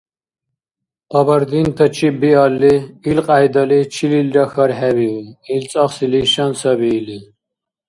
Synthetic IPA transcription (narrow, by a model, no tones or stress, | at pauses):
ɔbaɾd̪int̪ʰɔt͡ʃʰibialːiːlqʼajd̪alit͡ʃʰililɾaxaɾɦɛbiuilt͡sʼɔχsiliʃansabiːli